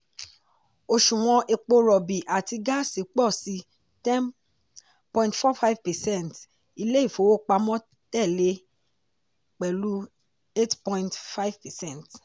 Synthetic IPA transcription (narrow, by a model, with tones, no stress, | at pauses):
o˧ʃũ˨w̃ɔ̃˧ʔe˧k͡po˧ɾɔ˨bi˨ʔa˨ti˧ɡa˦si˨˦k͡pɔ˦˨si˧˦ | tɛ̃˦n | pɔ̃˧ĩ˦ntfɔ˦fa˦jvpɛ˨sɛ̃˦˨nt | i˧le˦i˦˨fo˨˦wo˦k͡pa˧mɔ̃˦ | tɛ˦˨le˧˦ | k͡pɛ˨lu˦ | e˦tpɔ̃˦ĩntfa˦i˦vpɛ˨sɛ̃˦˨nt